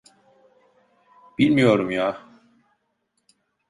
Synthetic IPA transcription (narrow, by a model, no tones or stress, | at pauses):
b̥ilmijoɾumjaː